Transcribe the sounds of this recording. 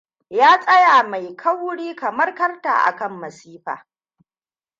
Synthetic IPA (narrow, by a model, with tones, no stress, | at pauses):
jaː˦sʼɐ˦ja˨ma˨jkʰɐ˦wʊ˦ɽiː˦kɐ˨mɐ˦rkɐ˦rta̰ː˨ʔa̰˨kɐ˦mːɐ˨siː˦ɸa̰ː˨